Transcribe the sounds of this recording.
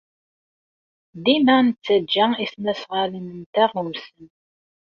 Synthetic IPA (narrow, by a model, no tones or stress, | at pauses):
ðinænt͡sːæd͡ʒːæisnæsʁalinənt̪æʁumsən